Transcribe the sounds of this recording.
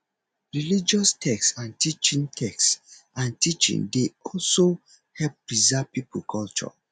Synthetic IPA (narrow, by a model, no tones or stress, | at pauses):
ɹilid͡ʒɔstʰɛksãntit͡ʃĩŋtʰɛksãntit͡ʃḭ̃ŋdeɔlso | hɛlp̚ɹizapipʰolkʰɔlt͡ʃɔ̰